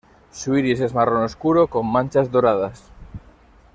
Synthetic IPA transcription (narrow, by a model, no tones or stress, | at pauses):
suiɾisezmaronoskuɾokomːãnt͡ʃazðoɾað̞as